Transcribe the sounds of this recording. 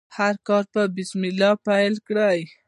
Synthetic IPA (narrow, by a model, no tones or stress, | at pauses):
haɾkɑɾpəbɪsmɪlɑpajlkɽaj